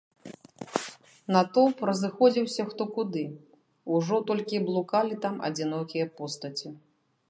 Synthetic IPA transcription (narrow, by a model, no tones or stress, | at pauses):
nɐt̪ɔpɾɐzɨxɔd͡zʲiwsʲɐxt̪ɔkud̪ɨ | uʐɔt̪ɔlʲkʲiblˠukalʲit̪amɐ̰d͡zʲinɔkʲijɐpɔst̪ɐt͡sʲi